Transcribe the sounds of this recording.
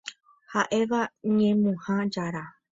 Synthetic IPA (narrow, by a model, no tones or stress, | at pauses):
haʔe̞ʋaɲẽmũhãd͡ʒaɾa